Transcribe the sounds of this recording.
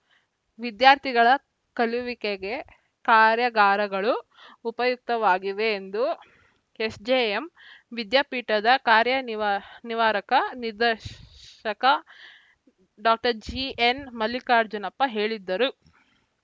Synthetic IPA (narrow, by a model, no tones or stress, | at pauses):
ʋid̪jaːɾt̪ʰiɡɐɭɐ | kɐliʋikeɡe̞ | kaːɾjɐɡaːɾɐɡɐɭuː | pɐjuk̚t̪ɐʋaːɡiʋeːnd̪u | esd͡ʒeːemʋid̪jaːpiːʈɐd̪ɐkaːɾjɐʋniʋaːɾɐkɐnid̪ɐɾɐkɐ | ɖaːk̚ʈɐɾd͡ʒienmɐlikaːɾd͡ʒunɐpːɐɦe̞ːɭid̪ːɐɾu